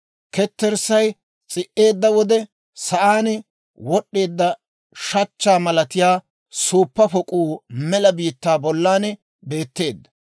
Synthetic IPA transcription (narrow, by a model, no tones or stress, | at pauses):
kɛt̪ːɛɾsɐj | t͡sʼɪʔe̞ːd̪ːɐwɔd̪ɛ | sɐʔaːnɛ | wɔɗːe̞ːd̪ːɐ | ʃɐt͡ʃːaːmɐlɐt̪ɪjaː | suːpːɐpɔkʼuːmɛlɐbiːt̪ːaːbɔlːaːnɛ | be̞ːt̪ːe̞ːd̪ːɐ̥